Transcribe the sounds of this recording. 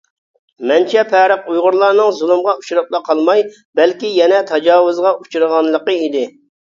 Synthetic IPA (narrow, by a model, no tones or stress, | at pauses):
mɛnt͡ʃʰɛpʰɛɾəqujʁʊɾlˠɑɾnɨŋzulˠɨmʁɑut͡ʃuɾɑplˠɑqʰɑlˠmɑj | bɛlkʲijɛnɛt̪ʰɑd͡ʒɑːwʊzʁɑʔut͡ʃʰuɾɨʁɑnlˠəqəid̪ɪ